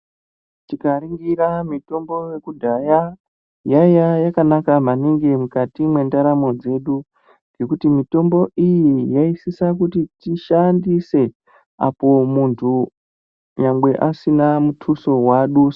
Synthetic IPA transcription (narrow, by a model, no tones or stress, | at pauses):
tikaɾiŋɡiɾamito̞mbo̞je̞kudʱaja | jajajakanakamaneŋɡe̞mukatimwe̞ndaɾamo̞d͡ze̞ɗu | ŋɡe̞kutimito̞mbo̞ʔijijaisisak̬utitiʃandise̞ | a̰po̞muntʰu | ɲaŋɡe̞ʔasinamutʰuso̞waɗus